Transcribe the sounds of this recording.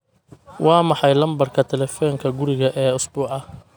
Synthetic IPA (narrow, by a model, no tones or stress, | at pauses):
wɑːmɑħɑjlɐmbɐrkʰɐt̪ʰɛlɛfɔːŋkʰɐɡʊɾɪɣɐʔɛːʊsbuːʕɑ